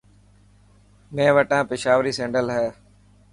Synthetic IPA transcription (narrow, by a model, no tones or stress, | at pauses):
mẽːʋəʈãːpɪʃaːʋɾiːsẽːɳɖəlɦɛː